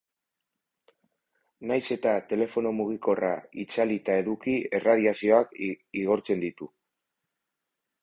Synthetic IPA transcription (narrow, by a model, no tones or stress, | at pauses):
najse̞t̪at̪e̞le̞fo̞no̞muɣ̞iko̞ra̰it͡salit̪ae̞ðukie̞rað̞iasio̞akiɣo̞ɾt͡se̞nd̪it̪u